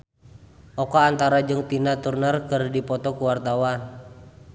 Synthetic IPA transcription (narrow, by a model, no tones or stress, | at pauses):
ʔɔkɔant̪aɾad͡ʒɨŋt̪inat̪urnərkɨrdipɔt̪ɔkuwart̪awan